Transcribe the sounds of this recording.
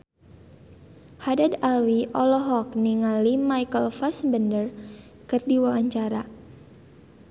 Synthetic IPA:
hadadalwiʔɔlɔɦɔk̚niŋalimajkəlfasbəndər | kərdiwawaɲt͡ʃaɾa

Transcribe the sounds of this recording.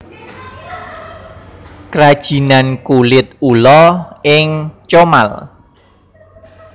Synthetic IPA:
kɾad̥ʒ̥i̤nankulɪt̪̚ulɔɪŋt͡ʃoma̰l

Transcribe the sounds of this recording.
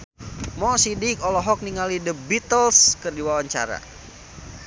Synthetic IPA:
mɔsidikɔlɔɦɔk̚niŋalidəbit̪əlskərdiwawaɲt͡ʃa̰ɾa̰

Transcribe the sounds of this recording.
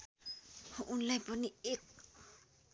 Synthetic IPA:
hoʔunlajpɔniek̚

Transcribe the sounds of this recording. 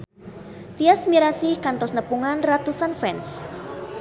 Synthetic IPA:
t̪iasmiɾasɪhkant̪ɔsnəpuŋanrat̪usanfɛns

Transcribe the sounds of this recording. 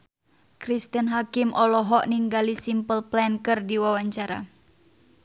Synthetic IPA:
kɾist̪ənɦakɪmʔɔlɔɦɔʔniŋɡalisimpəlplɛnkɨrdiwawaɲt͡ʃaɾa̰

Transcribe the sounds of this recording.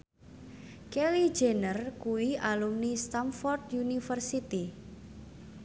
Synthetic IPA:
keli̥d͡ʒenərkuwiʔalumnist̪amfɔrd̪junifərsit̪i

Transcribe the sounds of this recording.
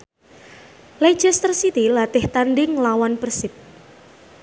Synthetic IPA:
le̥d͡ʒ̥ɛst̪ɾsit̪ilat̪ɪht̪anɖɪŋlawanpərsɪp̚

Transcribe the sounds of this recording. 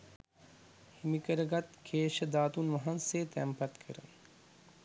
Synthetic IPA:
himikəɾəɡat̪kʰeːʃəd̪aːt̪unʋɐɦanseːt̪æmpat̪kʰə̰ɾə̰

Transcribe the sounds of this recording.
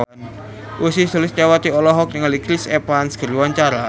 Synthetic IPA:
ʔusisulɪst͡ʃawat̪iɔlɔɦɔk̚nɪŋalikɾisepansɡ̥əɾiwaɲt͡ʃaɾa

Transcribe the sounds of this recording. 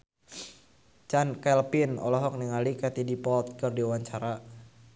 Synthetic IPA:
t͡ʃankɛlpinɔ̰lɔɦɔk̚niŋalikat̪idipɔlt̪̚kərdiwaɲt͡ʃaɾa

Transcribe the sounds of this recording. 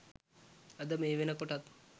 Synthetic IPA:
ɐd̪ɐmeʋenɐkoʈat̪

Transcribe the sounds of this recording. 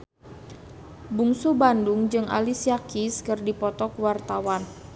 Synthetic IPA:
buŋsubanduŋd͡ʒɨŋʔa̰lisiakiskɨrdipɔt̪ɔkuwart̪awan

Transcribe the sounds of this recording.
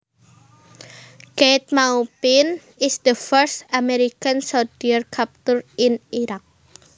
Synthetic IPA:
ket̪̚maupɪn | ɪsd̪̥əfəɾst̪ameɾikansɔdiərkʰap̚t̪ʊɾɪniɾak̚

